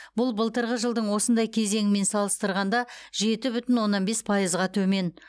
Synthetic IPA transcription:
bʊlˠbəlˠt̪əɾʁəʒəlˠd̪əɴwo̞sənd̪ɑjkʲʰe̞ze̞ŋɪme̞nsɑlˠəst̪əɾʁɑnd̪ɑʒe̞t̪ɪbʏt̪ɪnwo̞nːɑnbe̞spʰɑjəzʁɑt̪ʰɵme̞n

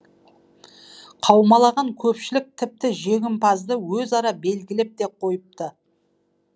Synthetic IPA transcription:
qʰɑwmɑlˠɑʁɑŋkʲʰɵpʃɪlɪk̚t̪ʰɪp̚t̪ɪʒe̞ɡʲɪmpɑzd̪əwɵzɑɾɑbe̞lɡʲɪlɪp̚d̪e̞qʰo̞jəp̚t̪ə

